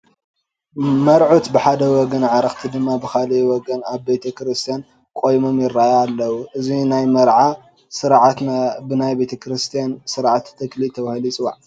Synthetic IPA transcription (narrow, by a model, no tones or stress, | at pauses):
mɐɾʕut̪bɨħad̪ɐwɔɡɐnʕaɾɐxt̪ʰid̪ɨmːabɨxalwɔɡɐnaβbe̞t̪ʰɐkɾɨst̪ʰijan | kʼo̞jmo̞mjɪɾːajaːlːɐwuʔɨzinajmɐɾʕa | sɨɾʕat̪nabɨnajbe̞t̪ʰɐkɾɨst̪ʰijansɨɾʕat̪ːʰɨklit̪ʰɐβhlit͡sʼɨwa̰ʕ